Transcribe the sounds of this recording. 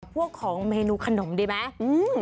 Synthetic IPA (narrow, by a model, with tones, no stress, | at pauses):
p̚ʰu˥˩əkʰːɔː˩˦ŋmeː˧nuː˧kʰa˧no˩˦mɗi˧˦ma˦˥ʔɯː˧